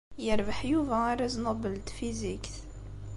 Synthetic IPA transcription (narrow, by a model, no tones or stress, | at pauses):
jəɾvəħjuvæaɾˤəznɑbəlt̪fizikθ